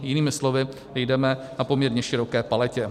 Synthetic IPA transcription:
jɪniːmɪslovɪ | ɛjdɛmɛ | napo̞mɲɛɾɲɛʃɪɾo̞kɛːpalɛcɛ

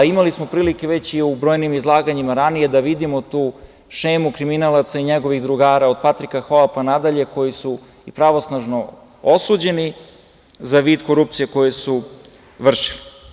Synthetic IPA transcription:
imalismo̞pɾiːlike̞ʋe̞t͡ɕiubɾo̞ːjnimizlˠaːɡaɲimaɾanije̞d̪aʋid̪imot̪uː | ʃe̞ːmukɾiminalat̪saiɲeɡo̞ʋiɣd̪ɾuɡaːɾaod̪̥̚pat̪ɾikaxoapanad̪aʎe̞ko̞jisu | ipɾaʋo̞snaʒno | osuːd͡ʑe̞ni | zaʋiːd̪ko̞ɾupt̪sije̞ko̞jesu | ʋr̩ʃi̥li

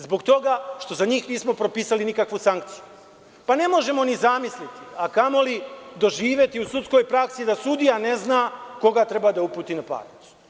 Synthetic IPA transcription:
zbo̞ɡt̪o̞ɡaʃt̪o̞zaɲiːxniːsmo̞pɾopiːsalinikakʋusaŋk̚t̪siju | pane̞mo̞ʒe̞mo̞nizamislit̪iakamo̞lid̪o̞ʒiːʋje̞t̪iusut̪sko̞jpɾaksid̪asud̪ijaneznako̞ɡat̪ɾebad̪aupuːt̪iːnapa̰ːɾit̪su̥

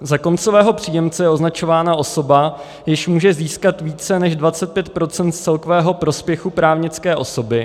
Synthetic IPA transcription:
zako̞nt͡sovɛːɦo̞pr̝̥iːjɛmt͡sɛjɛo̞znat͡ʃo̞vaːnaʔo̞so̞ba | jɪʃmuːʒɛziːskat̪viːt͡sɛnɛʒdvat͡sɛt̪̚pjɛt̪̚pɾo̞t͡sɛnt̪̚t͡sɛlkovɛːɦo̞pɾo̞spjɛxupɾaːvɲɪt͡skɛːʔo̞̰so̞bɪ

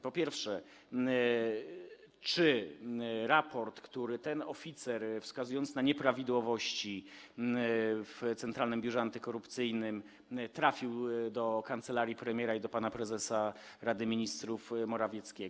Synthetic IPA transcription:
pɔpʲjɛɾfʂɛ | t͡ʂɘ | ɾapɔɾt̪kt̪uɾɘt̪ɛnɔfʲit̪sɛɾfskazujɔnt̪snaɲɛpɾavʲid̪wɔvɔɕt͡ɕi | ft̪sɛnt̪ɾalnɘmbʲjuʐɛant̪ɘkɔɾupt̪sɘjnɘm | t̪ɾafʲiwd̪ɔkant̪sɛlaɾjipɾɛmʲjɛɾaid̪ɔpanapɾɛzɛsa | ɾad̪ɘmʲiɲist̪ɾufmɔɾavʲjɛt̪skʲɛ

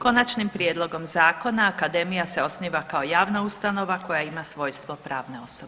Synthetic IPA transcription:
ko̞nat͡ʃnimpɾjed̪lˠoɡo̞mzaːko̞naːkad̪e̞mijase̞o̞sniːʋakao̞jaːʋnaust̪ano̞ʋako̞jaimasʋo̞jst̪ʋopɾaːʋne̞o̞sob

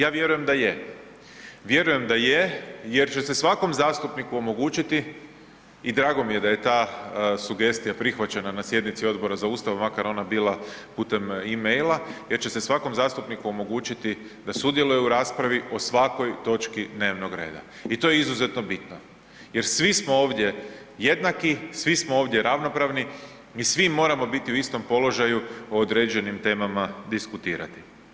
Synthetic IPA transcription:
jaːʋje̞ɾuje̞md̪aje | ʋje̞ɾuje̞md̪ajeje̞ɾt͡ʃe̞se̞sʋako̞mzaːst̪upnikuo̞mo̞ɡuːt͡ʃit̪i | id̪ɾaːɡo̞mije̞d̪aje̞t̪aːsuɡe̞st̪ijapɾixʋat͡ɕe̞nanasje̞d̪nit̪sio̞d̪bo̞ɾazauːst̪aʋmakaɾo̞nabiːlˠapuːt̪e̞mimejlajeɾt͡ɕese̞sʋako̞mzaːst̪upnikuomo̞ɡuːt͡ʃit̪i | d̪asud̪je̞lujɛuɾaːspɾaʋio̞sʋako̞jt̪o̞t͡ʃkid̪ne̞ːʋno̞ɡɾe̞̰ːd̪a̰ | it̪o̞jeizuze̞t̪no̞bit̪no | je̞ɾsʋismo̞o̞ːʋd̪je̞ | je̞d̪nakisʋismoo̞ːʋd̪je̞ɾaʋno̞pɾaʋni | isʋimo̞ːɾamo̞bit̪iuist̪o̞mpo̞lo̞ʒajuoːd̪ɾe̞ːd͡ʒe̞nimt̪e̞ːmamad̪iskut̪iːɾa̰t̪i̥

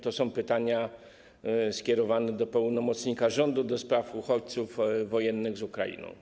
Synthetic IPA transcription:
t̪ɔsɔ̃w̃pɘt̪aɲa | skʲɛɾɔvanɛd̪ɔpɛwnɔmɔt̪sɲikaʐɔnd̪ud̪ɔspɾafuxɔt͡ɕt̪sufːɔjɛnːɘɣzukɾa̰jḭnɔ̰̃w̃

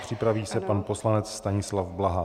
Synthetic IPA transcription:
pr̝̥ɪpɾaviːsɛpanpo̞slanɛt͡sst̪aɲɪslavblaɦa

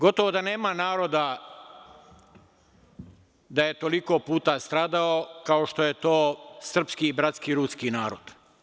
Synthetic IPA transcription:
ɡo̞t̪oʋod̪ane̞ːmanaːɾo̞d̪a | d̪aje̞t̪o̞liko̞puːt̪ast̪ɾaːd̪aokaoʃt̪o̞je̞t̪oːsr̩pskiːbɾat̪skiɾuːskinaːɾod̪̥

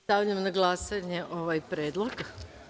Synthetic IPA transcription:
aʎamnaɡlˠasaɲe̞ʔoʋajpɾeːd̪lˠoɡ

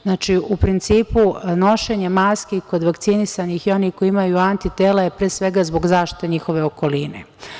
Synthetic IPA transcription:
znaːt͡ʃiupɾint̪siːpuno̞ʃe̞ɲe̞maskiko̞d̪ʋakt̪sinisanixio̞niko̞iimajuant̪it̪e̞ːlajepɾeːsʋe̞ɡazbo̞ɡzaːʃt̪i̥t̪eɲixo̞ʋe̞o̞ko̞line̞̰

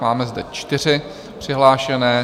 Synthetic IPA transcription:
maːmɛzdɛt͡ʃt̪ɪr̝ɪ | pr̝̥ɪɦlaːʃɛnɛː

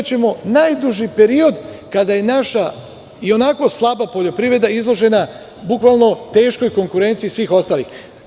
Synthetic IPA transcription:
t͡ɕe̞mo̞najd̪uʒipe̞ɾio̞d̪kad̪aje̞naʃa | io̞nako̞slˠabapo̞ʎo̞pɾiʋɾe̞d̪aizlˠo̞ʒe̞na | bukʋalˠno̞t̪e̞ːʃko̞jko̞ŋkuɾe̞nt̪siisʋiːxo̞st̪aːlḭx

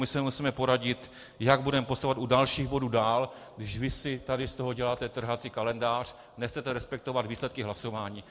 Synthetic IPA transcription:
mɪsɛmusiːmɛpoɾaɟɪt̪ | jaɡ̚budɛmɛpost̪avat̪udalʃiːɣbo̞duːdaːl | ɡdɪʃvɪsɪt̪adɪst̪o̞ɦo̞ɟɛlaːt̪ɛt̪r̩ɦat͡siːkalɛndaːr̝̥ | nɛxt͡sɛt̪ɛɾɛspɛk̚t̪o̞vad̪viːslɛt̪̚kɪɦlaso̞vaːɲiː

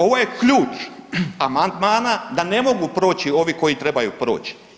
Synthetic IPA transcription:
o̞ʋo̞jekʎuːt͡ʃamand̪maːnad̪ane̞mo̞ɡupɾo̞ːt͡ɕio̞ʋiko̞jit̪ɾe̞bajupɾo̞̰ːt͡ʃi̥

